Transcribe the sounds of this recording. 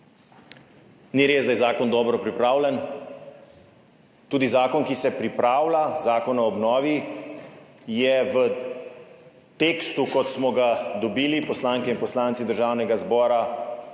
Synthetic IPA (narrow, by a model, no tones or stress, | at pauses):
niɾeːzd̪ajɛzaːkɔnd̪ɔːbɾɔpɾipɾaːwlɛn | t̪uːd̪izaːkɔnkisɛpɾipɾaːwlazaːkɔnɔːbnɔːʋi | jɛʋə | t̪eːkst̪ukɔt̪smɔɡad̪ɔbiːlipɔslaːŋkɛinpɔslaːnt̪sid̪əɾʒaːwnɛɡazbɔːɾa